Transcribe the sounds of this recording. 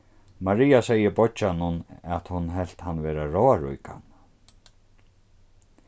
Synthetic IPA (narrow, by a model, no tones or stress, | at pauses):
maɾijasɛjəbɔt͡ʃanʊnɛt̪hʊnɦɛl̥t̪hanːvɛːɾaɹɔːaɹujka̰n